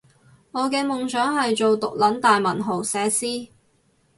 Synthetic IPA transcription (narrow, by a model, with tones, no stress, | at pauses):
ŋɔː˨˧kɛː˧mʊ˨ŋt͡ʃœː˨˥ŋhɐ˨jt͡ʃo˨wt̪ʊ˨k̚lɐ˨˥nt̪aː˨jmɐ˨˩nɦo˨˩wsɛː˨˧siː˥